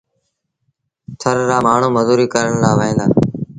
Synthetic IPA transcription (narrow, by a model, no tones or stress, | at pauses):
t̪ʰəɾɾaːmaːɳ̤ũːməzuːɾiːkəɾəɳlaːʋəĩːnd̪aː